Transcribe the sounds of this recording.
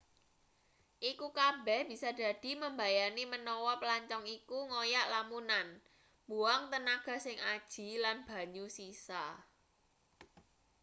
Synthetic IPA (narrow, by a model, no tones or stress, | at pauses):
ʔikukabɛhb̥i̤sad̥a̤d̥i̤məmbajanimənɔwɔpəlaɲt͡ʃɔŋikuŋojaʔlamunan | muaŋt̪ənaɡ̥ä̤sɪŋad̥ʒ̥i̤lanb̥a̤ɲusisa